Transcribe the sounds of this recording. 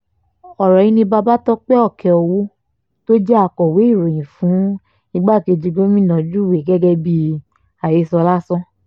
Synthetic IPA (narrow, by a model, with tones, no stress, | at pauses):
ɔ˨ɾɔ˨ĩ˨˦nĩ˧ba˧ba˦tɔ˦k͡pɛ˦ɔ˦˨kʰɛ˨ɔ˧wo˦ | to˦d͡ʒɛ˦a˧˨kɔ˨we˨˦i˦˨ɾo˨j̃ĩ˨fũ˨˦ | i˧ɡ͡ba˦˨ke˧d͡ʒi˧ɡo˦mĩ˦˨nã˨d͡ʒu˦˨we˨ɡɛ˦ɡɛ˧bi˧ | a˨je˨˦sɔ˧la˦sɔ̃˦